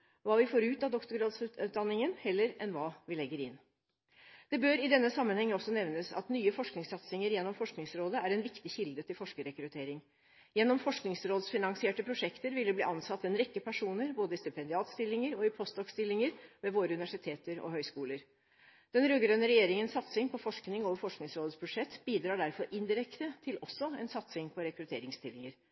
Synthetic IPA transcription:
ʋɑːʋɪfoːɾʉːt̪ɑd̪ɔkt̪ʊɡɾɑːd̪sʉːt̪ʉːt̪̚d̪ɑnːɪŋənhɛlːəɾʔɛnʋɑːʋɪlɛɡːəɾɪnː | d̪̥ɛbøːɾɪd̪ɛnːəsɑmːənhɛŋːəɔsːɔnɛʋnəsɑ̰t̪nyːəfɔʂknɪŋsɑt̪sɪŋəɾjɛnːɔmfɔʂknɪŋsɾoːd̪əæɾɛnʋɪkt̪ɪçɪld̪ət̪ʰɪlfɔʂkəɾɛkɾʉt̪ʰeːɾɪŋ | jɛnːɔmfɔʂknɪŋsɾoːd̪sfɪnɑŋsɪeːʈəpʰɾʊʂɛkt̪əɾʋɪlːəb̪ḭːʔɑnsɑt̪ːɛnɾɛkːəpʰæʂuːnəɾboːd̪əɪst̪ɪpʰɛnd̪ɪɑːt̪st̪ɪlːɪŋəɾɔɪpʰɔst̪ɔkst̪ɪlːɪŋəɾʋɛʋoːɾəʉnɪʋæʂɪt̪ʰeːt̪əɾɔ̰ɦœʏskuːləɾ | d̪̥ɛnɾøːɡɾœnəɾɛjeːɾɪŋənsɑt̪sɪŋpʰɔfɔʂknɪŋoːʋəɾfɔʂknɪŋsɾoːd̪əsbʉʂɛt̪ːbiːd̪ɾɑːɖæɾfɔɾʔɪnd̪ɪɾɛkt̪ət̪ʰɪlɔsːɔɛ̰nsɑt̪sɪŋpʰɔɾɛkɾʉt̪ʰḛːɾɪŋst̪ʰɪlːɪŋəɾ

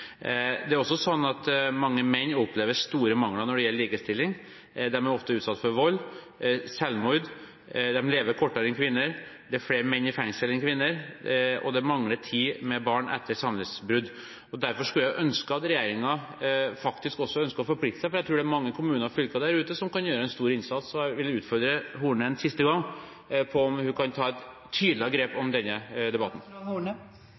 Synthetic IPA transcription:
d̪ɛæɾɔsːɔsɔnːɑt̪mɑŋːəmɛnːɔpːleːʋəɾʂt̪uːɾəmɑŋlɑnɔɖɛjɛləliːkəst̪ɪlːɪŋ | d̪ɛmæɾɔft̪əʉːt̪sɑt̪ːfɔɾʋɔlː | sɛlmɔʏd̪ | d̪ɛmleːʋəɾkʰɔʈːəɾɛnkʰʋɪnːəɾd̪ɛæɾfleːɾmɛnːɪfɛŋsəlɛnkʰʋɪnːəɾɔ̰d̪ɛmɑŋlət̪ʰiːmɛbɑːɳʔɛ̰t̪ːəɾsɑmlɪsbɾʉd̪ | ɔd̪æɾfɔʂkʉljæʔœnskəɑt̪ɾɛjeːɾɪŋɑ | fɑkt̪ɪskɔsːɔœnskəɔfɔɾplɪkt̪əsæɪfɔɾjæɪt̪ʰɾʉːɖɛæɾmɑŋːəkʰʊmʉːnəɾfʏlkɑd̪æɾʉːt̪əsɔmkɑnjøːɾəɛnst̪uːɾɪnsɑt̪sɔjæʋɪlːʉːt̪fɔɾd̪ɾəɦuːɳəɛnsɪst̪əɡɑŋː | pʰɔɔmhʉkʰɑnt̪ʰɑːɛt̪ | t̪ʰːyːd̪lɪɡɾeːpɔmd̪ɛnːəd̪ɛbɑt̪ːn̩h

